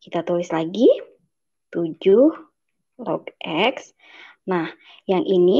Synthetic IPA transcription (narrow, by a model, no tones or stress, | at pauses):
kit̪at̪ulɪslaɡi | t̪ud͡ʒʊh | lɔ̰ɡʔɛks | nah | jaŋʔini